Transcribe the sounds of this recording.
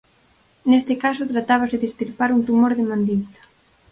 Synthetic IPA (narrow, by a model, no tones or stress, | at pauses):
nest̪ɪkasʊt̪ɾat̪aβ̞asɪðest̪iɾpaɾunt̪umoɾðɪmãnd̪it̪ḁ